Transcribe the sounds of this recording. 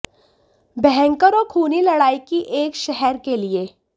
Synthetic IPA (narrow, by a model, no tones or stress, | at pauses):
bɛɦɛ̃ŋkəɾokʰuːnilɐɽaːikiʔeːkʃɛɦɛɾkelieː